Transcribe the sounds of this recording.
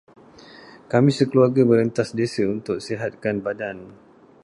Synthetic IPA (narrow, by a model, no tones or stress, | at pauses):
kamĩsəkəluarɡaməɾənt̪asdesəunt̪ʊk̚seɦat̪̚kanbadan